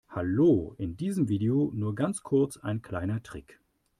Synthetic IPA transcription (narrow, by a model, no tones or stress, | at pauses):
haloːʔɪndiːzəmviːdeonuːɐɡant͡skʰʊɐt͡sa̰ɪnkʰl̥aɪnɐtʁ̥ɪ̰k